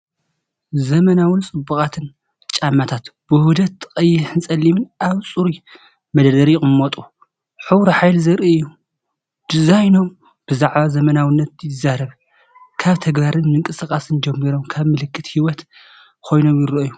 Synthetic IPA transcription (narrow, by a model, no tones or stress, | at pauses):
zɐmɐnawɨnt͡sʼɨbukʼat̪ʰɨn | t͡ʃʼamːat̪ʰat̪b̥ɨhud̪ɐt̪kʼɐjːɪħɨnsʼɐlːimɨnʔaβt͡sʼuɾi | mɐd̪ɐd̪ɐɾiχʼɨmot̪ʼu | ħuwɾoħajlzɐɾʔijːu | d̪̥ɨzajno̞m | b̥ɨzaʕβazɐmɐnawɨnːɐt̪̚jɪzːaɾɐβ | kʰaβt̪ʰɐɡβaɾɨnmɨŋkʼɨsɨkʼasɨnd͡ʒɐmːiɾo̞mkʰaβmɨlɨkːɨt̪hiwɔt̪ | kʰo̞jno̞mjɪɾɐʔju